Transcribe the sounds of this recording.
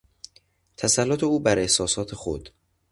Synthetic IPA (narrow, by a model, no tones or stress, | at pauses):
t̪ʰæsælːot̪ʰe̞uːbæɾehsɒːsɒːt̪ʰe̞xo̰d̪̥